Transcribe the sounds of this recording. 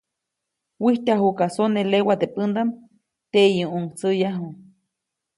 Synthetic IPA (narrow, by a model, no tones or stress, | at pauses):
wiht̪aɦukasonelewat̪epɨnd̪am | t̪eʔjuʔuŋt͡səjaɦu